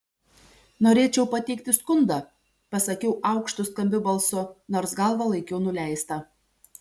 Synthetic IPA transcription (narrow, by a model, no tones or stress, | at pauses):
noːɾʲeːt͡ʃʲɛʊpɐt̪ʲɛɪk̚t̪ʲɪskʊnd̪ɐ | pɐsɐkʲɛʊʔɐˑʊkʃt̪ʊskɐmʲbʲɪbɐlˠsʊnoːɾsɡɐˑlˠʋɐlˠɐɪkʲɛʊnʊlʲæˑɪst̪ɐ